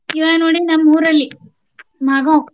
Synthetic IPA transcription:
iʋaːnoɽinɐmːuːɾɐlːi | mɐɡõ

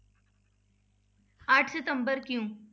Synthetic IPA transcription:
aʈʰset̪əmbəɾkjũ

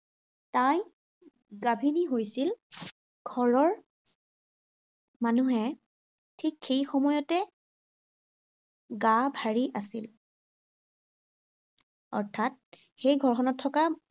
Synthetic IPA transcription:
taj | ɡabʱiniɦojsil | ɡʱɔɹɔɹ | manuɦɛ | tʰikxejxɔmɔjɔtɛ | ɡabʱaɹiʔasil | ɔ̰ɹtʰat̚ | xejɡʱɔɹxʰɔnɔtʰːɔka

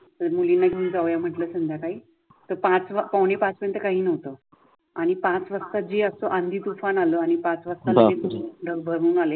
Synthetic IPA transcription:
t̪əɾmulinːaɡʱiund͡zaʋjam̤əʈləːsənd̪ʱjakaɦiː | t̪əɾpãt͡sʋapəwnepãt͡spəɾjent̪əkaɦiːnəʋt̪ə | aɽ̃ipãt͡sʋəst̪ad͡ʑeəsoʔãnd̪ʱiːt̪ufanaləːaɽ̃ipãt͡sʋəst̪aləet̪uɖʱəɡbʱəɾuːnale

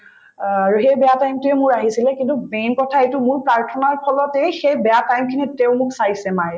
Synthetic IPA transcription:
aɹuxejbɛjatajmtʊɛmʊɹaɦisilɛkintubenkɔtʰaejtʊmʊɹpɹaɹtʰɔnaɹpʰɔlɔtɛjxejbɛjatajmkʰiniteʊmʊksajsɛmaj

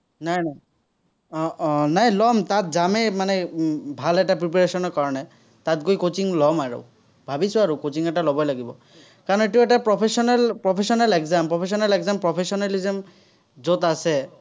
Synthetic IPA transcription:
najnaj | najlɔmtatzamɛmanɛbʱalɛtapɹip̬aɹesɔnɔɹkaɹɔnɛ | tatɡojkot͡ʃiŋlɔmaɹɔ̰ | bʱabisʊaɹukot͡ʃiŋɛtalɔbɔjlaɡibɔ̰ | kaɹɔnɔet̬iɛtapɹɔpʰesɔnɛlpɹɔpʰesɔnalɛkzampɹɔpʰes̬ɔnalɛkzampɹɔpʰesɔnalizɛm | zotasɛ

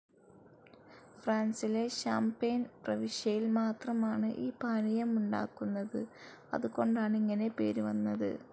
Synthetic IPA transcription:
fraːnsileɕaːmpejnprɐʋiʂjɐjilmaːt̪rɐmaːɳɨʔiːbʱaːnijɐmuɳɖa̰ːkːunːɐðɨ | ɐ̰ðuko̞ɳɖaːɳiŋːɐne̞pe̞̰ːɾuʋɐnːɐðɨ̰

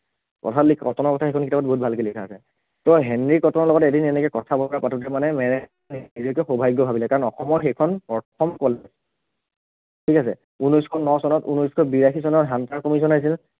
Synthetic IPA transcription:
kɔ̰tʰatlikʰkɔtɔnɔɹkɔtʰaxejkʰɔnkitabat̚boɦut̚bʱalkelikʰaːsɛ | tɔɦɛnɹikɔtɔnɔɹlɔɡɔtedinɛnɛkɔkɔtʰabɔpɔɹapatʰudɛmanɛmɛnɛ | niizɔkɛxobʱajɡɔbʱabilɛkaɹɔnɔxɔmɔɹxejkʰɔnɔɹtʰɔmkɔlɛ | tʰikasɛ̰ | unɔjskʰɔnɔsɔnɔtunɔjskʰɔbiɹaxisɔnɔtɦantaɹkɔmis̬ɔnajs̬il

